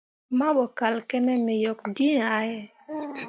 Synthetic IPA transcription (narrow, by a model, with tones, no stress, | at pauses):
ma˦bɔ˨ka˨lkɛ˦nɛ˦mɪ˨jɔ˨kdi˦na˨˦jɛ˦˨